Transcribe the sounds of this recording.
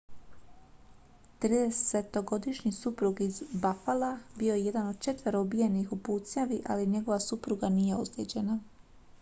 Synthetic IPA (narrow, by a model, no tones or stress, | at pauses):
t̪ɾiːd̪ese̞t̪o̞ɡo̞d̪iʃɲisupɾuɡizbafalabio̞jeje̞d̪ano̞d̪̚t͡ʃe̞t̪vʋeɾoubije̞nixupuːt̪sɲaʋiʔa̰liɲe̞ɡo̞ʋasupɾuɡanije̞osɾeːd͡ʑe̞na